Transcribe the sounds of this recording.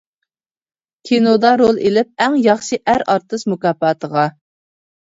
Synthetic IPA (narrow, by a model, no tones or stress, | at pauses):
kʲʰenod̪ɑɾolˠelɪp̚æŋjɑχʃiʔæɾɑɾt̪ɨsmukɑːpɑːt̪ʰəʁɑ